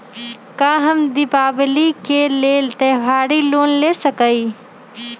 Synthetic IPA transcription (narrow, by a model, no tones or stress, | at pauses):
kaɦəmd̪ɪpaːblikeleːlt̪əjwaːɾiloːnlesəkəi